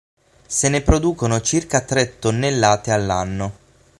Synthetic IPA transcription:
senepɾod̪uːkonot͡ʃirkat̪ɾet̪ːonːelːaːt̪ealːanːo

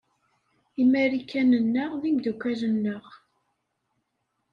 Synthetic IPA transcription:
imæɾikʰːænənːəʁðimd̪ukʷːælənːəʁ

